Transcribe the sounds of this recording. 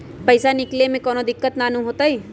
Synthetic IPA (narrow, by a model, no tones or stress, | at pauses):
pɐɪsanɪklemẽkɔːnod̪ɪkːət̪naːnũɦoːt̪aɦɛː